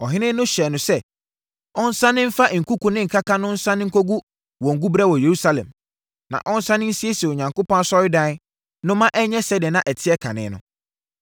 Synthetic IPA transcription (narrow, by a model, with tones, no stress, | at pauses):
ɔ˨ɦɪ̃˦nɪ̃˦nʊ̃˦ɕɛ˨nʊ̃˨sɛ˦ | ɔ̃˦n̩˦sã˦nɪ̃˦m̩˦fa˦ʔŋ̩˨kʰu˦kũ˨nɪ̃˦ŋ̩˨kʰa˦kʰa˦nʊ̃˦n̩˦sã˦nɪ̃˦ŋ̩˦kʰo˦ɡu˦ | wɔ̃˨ŋ̩˨ɡu˦bɾɛ˦wɔ˨je˨ɾu˦sa˦lɛ̰̃˨m | nã̰˨ʔɔ̃˦n̩˦sã˦nɪ̃˦n̩˦si˦e˦si˨ɔ˨ɲã˨ŋkʊ˦pɔ̃˦n˦sɔ˦ɪ˦dã˦ | nʊ̃˦mã˦ʔɛ˦ɲɛ̃˦sɛ˨˦dɪ˨nã˨ʔɛ˨tʰɪ˦ɛ˦kʰa̰˨nɪ̰̃˨˦nʊ̰̃˨